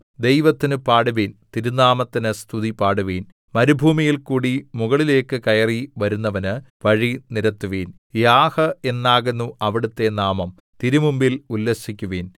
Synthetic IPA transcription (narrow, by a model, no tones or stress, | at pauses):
d̪e̞jʋɐt̪ːinɨpaːɽuʋiːnt̪iɾunaːmɐt̪ːinɨst̪ʰuðipaːɽuʋiːn | mɐɾubʱuːmijilkuːɽimuɣɐɭile̞ːkːɨkɐjɐriʋɐɾunːɐʋɐnɨ | ʋɐɻiniɾɐt̪ːuʋiːn | jaːhɐe̞nːaːɣenːuʔɐʋiɽut̪ːe̞naːmɐm | t̪iɾumumbilulːeɕikʲːuʋiːn